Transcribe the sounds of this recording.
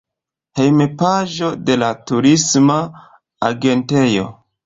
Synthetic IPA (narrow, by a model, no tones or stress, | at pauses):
he̞jmepaʒo̞de̞latuɾisma | aɡe̞nte̞jo̞̰